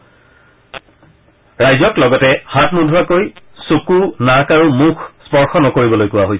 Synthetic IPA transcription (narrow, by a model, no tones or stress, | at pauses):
ɹajzɔklɔɡɔtɛhatmudʱuɹakoj | sukunakaɹumukʰspɔɹxɔnɔkoɹibɔlojkʊwaɦojsɛ